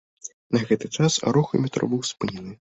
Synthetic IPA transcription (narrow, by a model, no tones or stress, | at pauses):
nɐɣɛt̪ɨt͡ʂasa̰ɾɔxɨ̰mʲɛt̪ɾɔ̰bɨwspɨnʲɛnɨ